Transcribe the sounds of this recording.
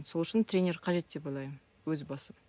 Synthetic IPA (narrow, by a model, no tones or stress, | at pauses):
so̞lˠʏʃɪnt̪ɾʲenʲe̞ɾqʰɑʒe̞t̪̚d̪e̞pɑlˠɑjmə | wɵzbɑsə